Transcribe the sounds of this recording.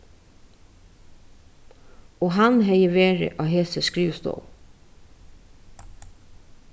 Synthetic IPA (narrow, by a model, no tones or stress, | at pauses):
oːhɑnhɛɪəʋeːɹə̰ʔɑːheːsəskɹʉːst̪o̰ːʊ